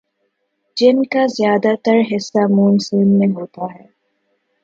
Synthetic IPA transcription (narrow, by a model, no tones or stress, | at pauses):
d͡ʒɪnkaːzjaːd̪aːt̪ɐɾɦɪsːaːmuːnsuːnmeɦoːt̪aːɦɛː